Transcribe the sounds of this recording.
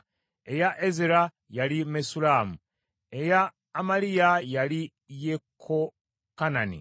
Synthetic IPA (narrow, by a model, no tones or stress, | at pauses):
e̞jaʔezeɾa | jalimesulaːmu | e̞jaː | malijajali | jekʰːo | kananḭ